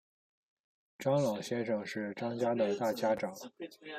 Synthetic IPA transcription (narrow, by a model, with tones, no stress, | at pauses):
ʈ͡ʂɑ˥ŋlɑ˨˩ʊɕjɛ˥nʂɤ˨˩ŋʂɻ̩˥˩ʈ͡ʂɑ˥ŋt͡ɕja˥d̪ə˨t̪a˥˩t͡ɕja˥ʈ͡ʂɑ˨˩˦ŋ